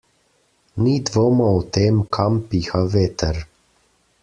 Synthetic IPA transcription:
niːd̪ʋoːmaut̪eːmkʰampixaʋeːt̪əɾ

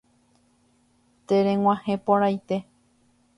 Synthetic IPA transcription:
t̪eɾẽŋwʷãhẽpoɾajt̪e̞

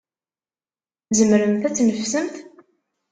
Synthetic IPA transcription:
zəmɾəmθæt͡sːnəfsəmθ

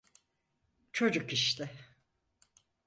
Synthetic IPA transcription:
t͡ʃʰo̞d͡ʒukiʃt̪ʰɪ

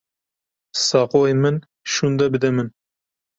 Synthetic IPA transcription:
sɑqojmɪn | ʃund̪ɑbɪd̪ɛmɪn

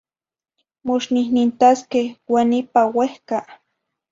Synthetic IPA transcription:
mʊʃnɪnɪnt̪askewanɪpawehka

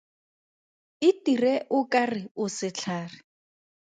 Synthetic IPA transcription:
ɪtirɛʔʊkʼarɪʊsɪt͡ɬʰaːrɪ

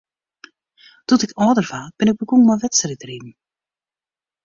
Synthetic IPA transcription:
d̥utɪkɔːdərv̥aːb̥ɪnɪk̚bəɡuŋmɔjʋɛtsəritrim̩

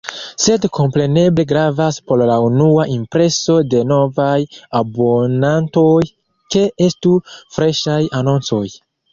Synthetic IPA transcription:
se̞dkʰo̞mpɾe̞ne̞ble̞ɡɾavaspo̞ɾlaunuaʔimpɾe̞so̞de̞no̞vajabo̞nanto̞j | ke̞estufɾe̞ʃajano̞nt͡so̞j

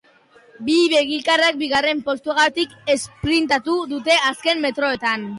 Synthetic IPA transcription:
biβe̞ɣilkarak̚biɣare̞mpo̞st̪uaɣat̪ike̞spɾint̪at̪uðut̪e̞aske̞mːe̞t̪ɾo̞e̞t̪an

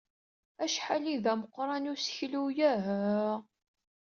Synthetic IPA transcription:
æʃħaliðæməqːɾˤɑnʊsə̥çlujæɦæ

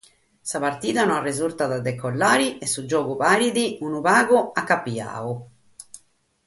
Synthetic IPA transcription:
sapaɾt̪iːðanɔarːezuɾt̪aðad̪ɛkːɔlːaːɾiɛsːud͡ʒɔːɡuβaːɾiðiunuβaːɡuakːapːia̰ːu

